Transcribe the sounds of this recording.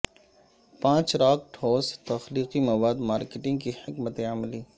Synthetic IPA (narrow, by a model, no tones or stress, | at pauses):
pãːt͡ʃɾaːk̚ʈʰoːst̪ɐxliːqimɐwaːd̪maːɾkeʈɪ̃ŋɡ̚kihɪkmət̪eamliː